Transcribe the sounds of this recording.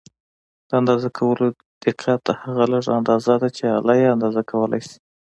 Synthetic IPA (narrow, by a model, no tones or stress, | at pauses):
d̪̥əand̪ɑzakʰawəlo | d̪̥ɪqɑt̪ːahaɣaləʐa̰nd̪ɑzad̪at͡ʃealɑjeand̪ɑzakʰawəlʔa̰jsi̥